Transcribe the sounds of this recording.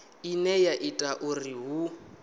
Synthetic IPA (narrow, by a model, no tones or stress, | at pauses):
inɛjaʔitʼaʔuriɦu